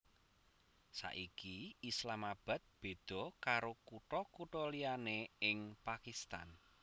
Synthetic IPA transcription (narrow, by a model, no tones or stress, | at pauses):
sa̰ʔikiislamab̥a̤t̪̚b̥e̤d̪̥ɔ̤kaɾokuʈɔkuʈɔlianeɪŋpakist̪a̰n